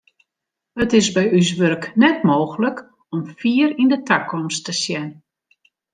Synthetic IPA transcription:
hətɪsbɛjys̬ʋørknɛtmoːxələk | ɔmfiːəɾindətʰakʰɔmstəsjɛn

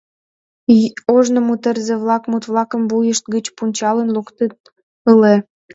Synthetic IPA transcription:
oʒnə̆mut̪ərzeβlɑkmut̪βlɑkəmbujəʃt̪̚ɡət͡ɕpunʲt͡ɕɑlənlukt̪ət̪ | əle

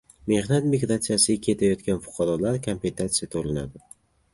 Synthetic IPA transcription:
me̞hnat̪miɡɾat̪sijasɪɡʲakʲʰe̞t̪ʰajɒt̪kʲanfʊ̥qʰɑɾɒlaɾkʰompʲent̪at̪sɪjat̪ʰolana̰d̪ɪ

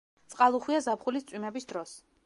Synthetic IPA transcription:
t̪sʼqʼalˠuχwiazapʰχulist̪sʼwimɛbisd̪ɾɔs

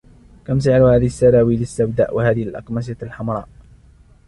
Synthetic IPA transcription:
kamsɪʕɾhaːðɪhasːaɾaːwiːlɪsːabd̪a̰ːʔwahaːðɪhɪlʔɑ̰qmas̬alħamɾˤɑ̰ːʔ

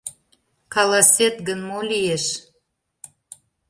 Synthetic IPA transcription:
kɑlɑsʲet̪ɡənmolijeʃ

